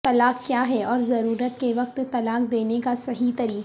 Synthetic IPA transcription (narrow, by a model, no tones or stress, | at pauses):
t̪ɐlaːkkːjaːɦɛɔːɾzɐɾuːɾət̪keʋɐq̚t̪t̪ɐlaːq̚d̪eːnekasɐɦit̪ɐɾiː